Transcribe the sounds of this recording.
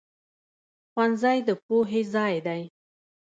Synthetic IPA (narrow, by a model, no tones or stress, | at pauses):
xwanzajd̪əpuɦezɑjd̪aj